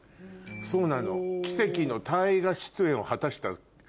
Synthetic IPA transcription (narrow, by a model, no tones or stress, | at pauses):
so̞ːnano̞̰kʲi̥se̞kʲino̞t̪ʰaiɡaɕi̥t͡sɨẽ̞o̞hat̪aɕi̥t̪a